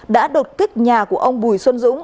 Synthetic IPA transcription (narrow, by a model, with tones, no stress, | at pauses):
ɗa̰ː˧˥ɗo˨˩t̚kï˦˥k̚ɲaː˨˩ku˧˩əʔə˧wŋ͡mɓu˨˩jswə˧nzʊ̰˧˥ŋ͡m